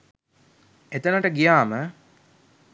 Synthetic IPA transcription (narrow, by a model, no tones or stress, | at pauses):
et̪ənəʈəɡijaːmə